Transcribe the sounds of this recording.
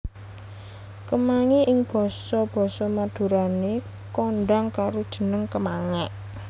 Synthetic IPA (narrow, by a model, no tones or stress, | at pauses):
kəmaŋiʔɪŋb̥ɔ̤sɔb̥ɔ̤sɔmad̪̥ṳɾane | kɔnɖaŋkaɾod̥ʒ̥ə̤nəŋkəmaŋɛʔ